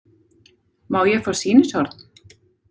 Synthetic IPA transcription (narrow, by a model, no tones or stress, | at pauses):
maːwjɛɣfḁsiːnɪsɔɾt̪n